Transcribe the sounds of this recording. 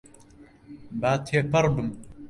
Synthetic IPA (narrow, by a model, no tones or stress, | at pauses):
baːt̪ʰepɐɾbɨm